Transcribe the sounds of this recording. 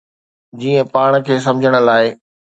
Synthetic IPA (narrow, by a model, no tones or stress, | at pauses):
d͡ʑiːə̃paːɽ̃kʰeːs̬ɐ̃md͡ʑʱəɽ̃ə̆laːɪ